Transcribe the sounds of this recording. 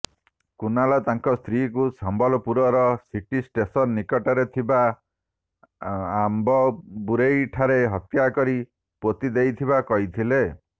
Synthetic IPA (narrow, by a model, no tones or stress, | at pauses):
kunalat̪aŋkɔst̪ʰɾikusɔmbʱɔlɔpuɾɔɾɔsiʈisʈesɔnːikɔʈɔɾet̪ʰiba | mbɔbuɾejʈʰaɾeɦɔt̪jakɔɾi | pot̪id̪ejt̪ʰiβakɔɦit̪ʰile